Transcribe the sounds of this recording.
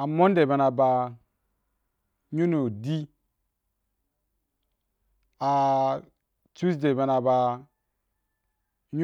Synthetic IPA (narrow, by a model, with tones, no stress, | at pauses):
a˨mo˦nde˨be˨na˨ba˨ | ɲu˦no˨di˦ | a˨ | t͡ʃu˦sde˨be˨na˨ba˨ | ɲ˦